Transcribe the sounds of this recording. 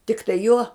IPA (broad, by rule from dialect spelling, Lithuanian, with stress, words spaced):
tʲɪkˈtɐɪ juɔ